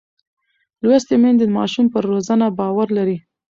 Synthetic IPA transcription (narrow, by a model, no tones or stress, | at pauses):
lwast̪emend̪emɑʃumpəɾːozanabɑwaɾlaɾi